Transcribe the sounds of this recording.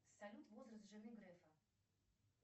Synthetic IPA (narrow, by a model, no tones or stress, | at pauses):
salʲut̪vɔzɾɐst̪ʒɨnɨɡɾɛfɐ